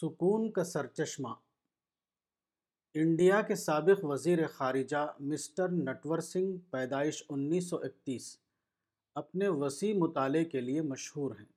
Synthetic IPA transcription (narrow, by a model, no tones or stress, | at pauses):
sʊkuːnkasɐɾt͡ʃɐʃma̰ː | ɪ̃ɳɖijakesaːbɪqʋɐziːɾexaːɾɪd͡ʒamɪsʈəɾnɛʈʋəɾsɪ̃ŋɡpɛːd̪aːɪʃʊnːiːs̬ːɔʔɪk̚t̪iːs | ɐpneʋɐsiːmʊt̪aːlekeliemɐʃhuːɾɦɛ̃ː